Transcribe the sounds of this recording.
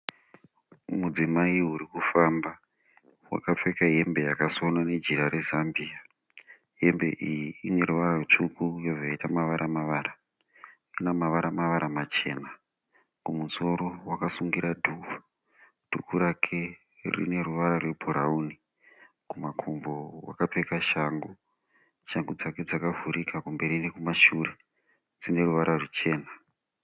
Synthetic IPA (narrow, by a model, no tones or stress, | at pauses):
mud͡zimaiɦuɾikufamba | wa̰kap͡fekaɦe̞mbe̞jakasonane̞d͡ʒiɾaɾe̞zambia | ɦe̞mbe̞̰ʔijiine̞ɾuʋararut͡ʂukujoʐoaitamaʋaɾʔamaʋaːɾa | inamaʋaɾamaʋaɾamat͡ʃe̞̰ːna | kumunzo̞ɾowakasuŋɡiɾadʱuːa | d̥ʱukuɾakʰe̞ | rḭne̞ruʋaɾarwebʱuɾauni | kumakʰombo̞wa̰kapekaʃaːŋɡu | ʃaŋɡud͡zake̞d͡zakavuɾikakumbe̞ɾinekumaʃure̞ | d͡zine̞ruʋaɾʔarut͡ʃe̞ːna